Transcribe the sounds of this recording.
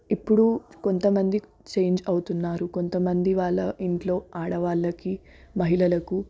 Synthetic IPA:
ipːuɽuko̞nt̪ɐmɐnd̪i | t͡ʃe̞ːɲd͡ʒɐwt̪unːaːɾuko̞nt̪ɐmɐnd̪iʋaːɭːɐiɳʈlo̞ːaːɽɐʋaːɭːɐki | mɐɦilɐlɐku

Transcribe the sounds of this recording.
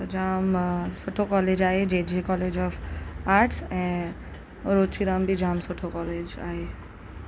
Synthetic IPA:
t̪ɐd͡ʒaːmsoʈʰokɔːleːd͡ʒaːɦed͡ʒeːd͡ʒekɔːleːd͡ʒɔːfaːɾʈsɛ̃ː | ɾoːt͡ʃʰiɾãːmbʱid͡ʒaːmsoʈʰokɔːleːd͡ʒa̰ːɦe

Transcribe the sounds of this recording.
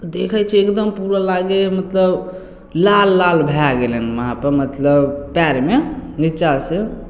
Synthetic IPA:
t̪d̪ekʰəjt͡ʃʰiekd̪əmpuɾəlaɡemət̪ləb | lalːalbʱaɡelənməɦãpəɾmət̪ləbpaɾmenit͡ʃasə

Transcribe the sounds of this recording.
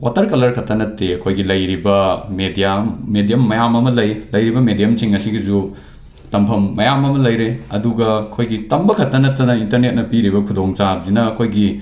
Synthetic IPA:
watɐɾkɐlɐɾkʰɐtːɐnɐtːeɐkʰojɡilɐjɾibɐmedijamedijɐmːɐjamɐmɐlɐjlɐjɾibɐmedijɐmsiŋɐsiɡizu | tɐmpʰɐmːɐjamɐmɐlɐjɾeɐduɡɐɐkʰojɡitɐmbɐkʰɐtːɐnɐtːɐnɐintɐɾnet̚nɐpiɾibɐkʰudoŋt͡ʃab̚zinɐːkʰojɡi

